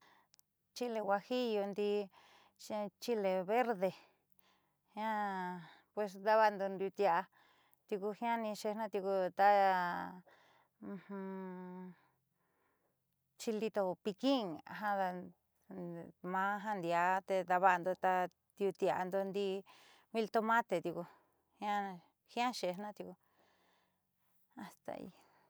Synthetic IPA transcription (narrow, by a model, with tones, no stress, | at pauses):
t͡ʃi˦le˧wʷa˧hi˦jo˧nd̪i˧ | ʃt͡ʃi˦le˧βe˦ɾðe˧ | hj̃ã˦ | pwe˧s̬d̪a˧βa˧nd̪o˧nd̪u˧t̪ja˧ʔa˧ | t̪i˧ku˧hĩ˦ã˦nĩ˧ʃe˧nã˦t̪ji˧ku˧t̪a˦˧ | hũ˧ | t͡ʃi˧li˧t̪o˧pi˧kĩ˦ŋa̰˧ɦã˧ða˧ | mã˦˧ɦã˧nd̪i˧a˧t̪e˧d̪a˧βa˧nd̪o˧t̪a˧ | t̪i˧u˧t̪i˧a˧a˧nd̪o˧nd̪i˧ | βi˧lt̪o˧mã˦t̪e˨t̪i˧ku˧ | hĩ˧ã˦˧ | hĩ˦ã˦ʃe˨˧˨nã˦t̪i˧ku˧ | a˨st̪a̰˧ḭ˧